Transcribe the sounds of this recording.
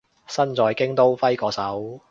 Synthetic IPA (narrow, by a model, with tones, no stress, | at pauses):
sɐ˥nt͡sɔː˨˧jkɪ˥ŋt̪o˥wfɐ˥jkɔː˨˥sɐ˨˥w